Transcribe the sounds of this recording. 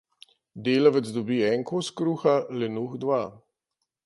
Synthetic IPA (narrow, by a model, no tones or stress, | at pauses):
d̪eːlɔʋɛt̪zd̪ɔbiːɛŋkoskɾuːxalɛnuxd̪ʋaː